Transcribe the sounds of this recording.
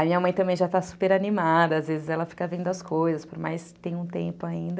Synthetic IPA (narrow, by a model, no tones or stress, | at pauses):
ɐmĩɲɐmɐ̃j̃t̪ɐ̃bẽj̃ʒat̪asu̥peɾanimad̪ɐazvezɪzɛlɐfi̥kɐvẽnd̪ʊaskojzɐspoɾmajst̪ẽj̃ũt̪ḛ̃mpʊaĩnd̪ɐ